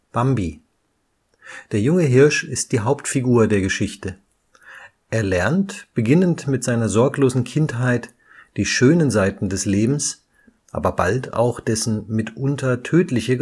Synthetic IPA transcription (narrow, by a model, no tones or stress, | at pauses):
b̥ambi | d̥eːɐjʊŋəɦɪɐʃɪst̚d̥iːɦaʊptfiɡuːɐdeːɐɡəʃɪçtə | ʔeːɐlɛɐntb̥əɡɪnəntmɪtz̥aɪnɐzɔɐkloːzn̩kʰɪntɦaɪt | d̥iːʃøːnənzaɪtn̩dɛsleːbm̩s | ʔa̰ːbɐba̰lta̰ʊxd̥ɛsn̩mɪtʔʊntʰɐtʰøːtlɪçə